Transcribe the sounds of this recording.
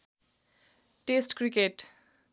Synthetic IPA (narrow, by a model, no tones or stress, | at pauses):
ʈesʈkrikeʈ